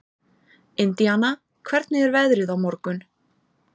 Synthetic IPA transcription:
ɪnt̪jana | kʰvɛɾt̪nɪɛɾvɛðɾɪðawmɔɾkʏn

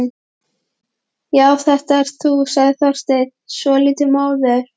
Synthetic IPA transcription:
jaːwθɛht̪aɛɾ̥t̪usaðθḁst̪ejt̪ | sɔliːt̪ɪmaːwðɛɾ̥

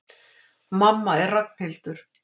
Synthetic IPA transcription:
mamːaɛrrak̚n̥hejlt̪ʏɾ̥

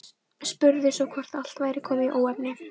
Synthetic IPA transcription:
spʏɾðɪsɔkʰɔr̥t̪al̥t̪vaːjɾɪkʰɔːmɪiʔoːwɛpnɪ

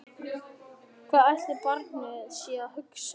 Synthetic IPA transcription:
kʰvaːðajht̪ɪɾpaɾt̪naaðsɛːahʏks

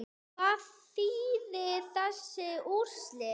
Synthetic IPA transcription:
aːðθiːðɪθɛsːɪur̥slɪ

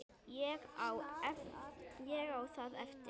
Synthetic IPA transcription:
ɛɣaw | jɛɣawθaðɛft̪

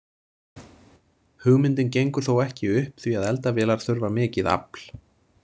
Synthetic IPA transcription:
hʏɣmɪnt̪ɪncejŋkʏɾ̥θowɛhcɪʏhpθviaðɛlt̪avɛːlaɾ̥θʏɾvamɛːcɪða̰pl̥

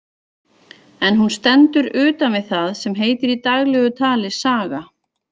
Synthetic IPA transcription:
ɛnɦunst̪ɛnt̪ʏɾʏːt̪anvɪðθaðsɛmɦeːjt̪ɪɾit̪aɣlɛɣʏt̪ʰaːlɪsaːɣa

